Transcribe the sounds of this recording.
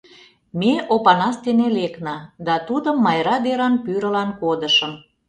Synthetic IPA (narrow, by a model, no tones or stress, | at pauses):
meʔopɑnɑst̪eneleknɑd̪ɑt̪ud̪əmːɑjɾɑd̪eɾɑnpyɾə̆lɑnkod̪əʃəm